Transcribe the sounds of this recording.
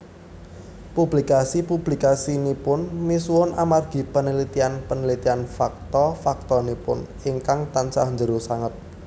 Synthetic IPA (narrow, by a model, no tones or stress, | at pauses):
publikasipub̥likasinipʊnmisuwʊnamarɡ̥i̤pənəlit̪ianpənəlit̪ianfak̚t̪ɔfak̚t̪ɔnipʊ̰n | iŋkaŋt̪ansa̰hɲd͡ʒəɾusaŋət̪̚